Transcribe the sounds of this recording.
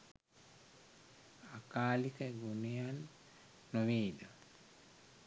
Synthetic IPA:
akaːlikəɡunejanː | uʋiːd̪ə

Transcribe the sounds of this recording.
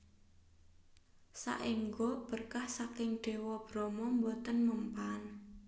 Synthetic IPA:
sa̰ʔiŋɡob̥ərkahsakɪŋɖ̥e̤wɔb̥ɾɔmɔmbot̪ənməmpan

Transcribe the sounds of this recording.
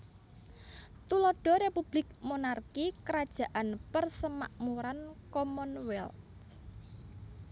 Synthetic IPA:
t̪ulɔɖ̥ɔ̤ɾepub̥lɪk̚monarkikəɾad̥ʒ̥ä̤ʔanpərsəmaʔmuɾankɔmɔnwɛlt

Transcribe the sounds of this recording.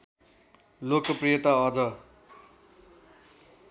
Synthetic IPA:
lokʌprijʌt̪aʌd͡zʌ

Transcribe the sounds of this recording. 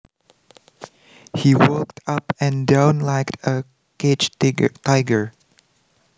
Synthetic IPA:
hiwɔktʰʌpɛ̃ndãʊ̃nlaɪktə | ked͡ʒtaɪɡə˞

